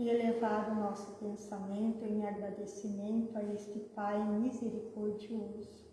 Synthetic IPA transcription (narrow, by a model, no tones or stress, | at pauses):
ielevad̪ʊʊnɔsʊ̥pẽnsamẽnt̪ʊẽŋaɡɾad̪esimẽnt̪ʊaest̪ɪpajẽmizeɾikʰɔɾd͡ʒiozʊ